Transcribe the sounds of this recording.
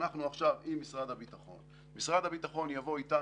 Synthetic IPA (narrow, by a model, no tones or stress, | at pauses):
naχnuaχʃavimːisʁad̪habit̪aχo̞̰n | misʁad̪habit̪aχo̞njavo̞it̪a